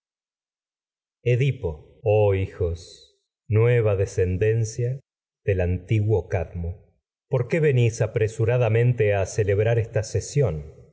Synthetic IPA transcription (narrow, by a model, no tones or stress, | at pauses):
eðipo̞ | oixos | nweβaðese̞nd̪ensja | ðe̞lant̪iɣwokaðmo | po̞ɾkeβe̞nisapɾesuɾaðamẽ̞nt̪easele̞βɾaɾest̪asesjo̞n